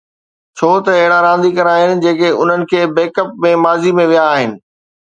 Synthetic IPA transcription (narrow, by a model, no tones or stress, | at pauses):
t͡ɕʰoːt̪ɐɪɦɪɽaɾãːnd̪ikɐɾaːɦɪnɪ̆d͡ʑeːkeʊ̰n̤ənɪ̆kʰeːbeːkəp̚mẽmaːzimẽʋijaːɦɪnɪ̆